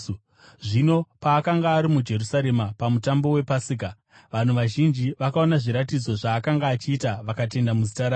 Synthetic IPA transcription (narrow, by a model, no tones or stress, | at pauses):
ʐino̞paːkaŋɡaːɾimud͡ʒe̞rusaɾe̞mapamutambo̞we̞pasik̬a | ʋan̤uʋaʒind͡ʒiʋakao̞naʐiɾatid͡zo̞ʐaːkaŋɡaːt͡ʃiːtaʋakat̬e̞ndamuzitaɾa